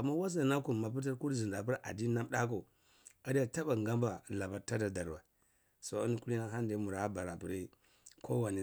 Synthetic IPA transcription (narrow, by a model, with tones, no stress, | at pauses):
a˨mːa˦wa˦s̬a˨na˦ku˨ma˨p̬u˦ta˦ɾku˦ɾzi˨nda˨p̬u˦ɾa̰˨di˦na˦m˦da˦ko˨ | a˦di˦ja˨ta˦ba˨ŋɡa˦mba˨la˨ba˨ɾta˦da˨da˨ɾwa˨ | so˨˦i˦n˦ku˦li˦na˦ɦa˦n˦de˨˦mu˨ɾa˨˦ba˨ɾa˨pi˨ɾi˦ | kʰo˦wa˨ni˨